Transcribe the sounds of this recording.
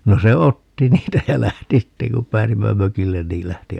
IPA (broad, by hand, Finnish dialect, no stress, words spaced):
no se otːi niːtæ jæ læhti sitːeŋ kum pˑæːsimːæ møkilːen niːl læhti